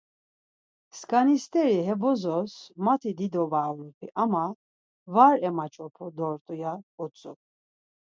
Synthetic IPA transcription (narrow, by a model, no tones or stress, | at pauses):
skʼanist̪ʼɛɾiɦɛbɔzɔsmat̪ʰid̪id̪ɔvalupʰiʔama | vaɾɛmat͡ʃʼɔpʰɔd̪ɔɾt̪ʼujaut͡sʼṵ